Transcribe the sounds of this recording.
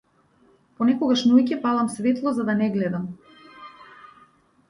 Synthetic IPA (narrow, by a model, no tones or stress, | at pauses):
pɔnɛkɔɡaʃnujcɛpalˠamsvɛt̪lˠɔzad̪anɛɡlɛd̪am